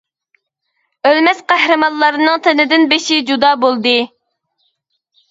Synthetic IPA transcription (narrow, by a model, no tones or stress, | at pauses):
ølmɛsqæhɾɨmɑnˠlˠɑɾɨnɨŋt̪ʰɪnɪd̪ɪnbeʃid͡ʒud̪ɑːbolˠd̪ɨ